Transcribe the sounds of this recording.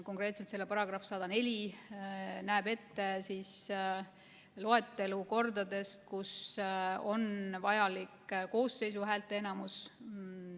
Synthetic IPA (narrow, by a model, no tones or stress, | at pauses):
ko̞ŋkre̞ːt̪set̪se̞lːe̞pɑɾɑɡrɑfsɑd̪̥ɑne̞lʲi | næːbe̞t̪ːe̞siːs | lo̞et̪ːe̞luko̞rd̪ɑd̪e̞st̪̚kus | o̞nvɑjɑlikːko̞ːsːe̞js̬uɦæːlt̪ːˑe̞enɑmus